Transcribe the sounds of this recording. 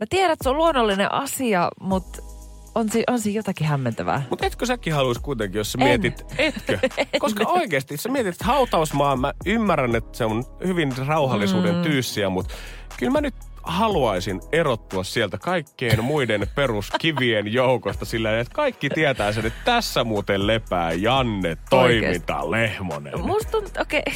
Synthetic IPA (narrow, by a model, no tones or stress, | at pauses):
mæt̪iæɾæet̪seoluonːolːinḛʔɑ̰siɑmut̪ | onsiːʔonsiːjjot̪ɑkihæmːent̪æʋæ̰ːmut̪et̪køsækːihɑluiskuit̪eŋkijossæmiɛt̪it̪et̪køkoskɑoikeːst̪isæmiet̪it̪hɑut̪ɑusmɑːmæymːærænet̪seonhyʋinrɑuhɑlːisuːdent̪yːsːiæmut̪ | kylmænyt̪ | hɑluɑisineɾot̪ːuɑssiælt̪ækɑikːeːnmuidenperuskiʋienjoukost̪ɑsilːæinet̪kɑikːit̪iæt̪æːsenet̪t̪æsːæmuːt̪ellepæ̰ːjɑnːet̪toimint̪ɑ̰lehmo̰nḛnmust̪unt̪t̪oke